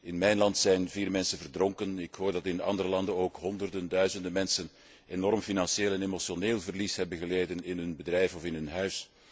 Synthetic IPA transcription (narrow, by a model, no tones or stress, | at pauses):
ɪnmɛjnlɑntsɛjnviːrmɛnsənvərdrɔŋkənɪkɦoːrdɑtɪnɑ̰ndəɾəlɑndənoːkɦɔndərdəndœɥzəndəmɛnsən | enɔɾmfinɑnseːlˠɛnemosjoneːlˠvərlisɦɛbəɣəleːjdənɪnɦɵnbədrɛjfɔfɪnɦɵnɦœɥs